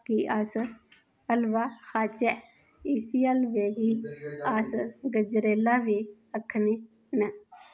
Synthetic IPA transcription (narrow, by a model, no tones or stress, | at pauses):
kiʔas | əlʋaxaːt͡ʃɛ | isiəlʋeːd͡ʒiaːsɡəd͡ʒɾeːlaːʋiː | əkʰːni | nɛ